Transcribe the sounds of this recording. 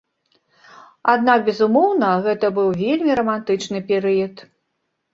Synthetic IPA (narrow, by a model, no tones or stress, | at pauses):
ad̪nak̚bʲɛzumɔwnɐɣɛt̪ɐbɨwvʲelʲmʲiɾɐmant̪ɨt͡ʂnɨpʲɛɾɨjɐt̪